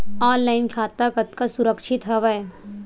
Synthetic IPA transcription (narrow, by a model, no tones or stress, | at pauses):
aːnlaːɪnkʰaːt̪akɐt̪kasʊɾəkʃɪt̪ɦɐʋaɛ